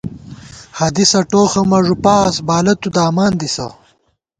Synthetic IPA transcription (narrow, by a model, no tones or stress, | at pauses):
hɐd̪isɐʈoːxɐmɐʐupaːsbaːlɐt̪ud̪aːmaːnd̪isɐ̰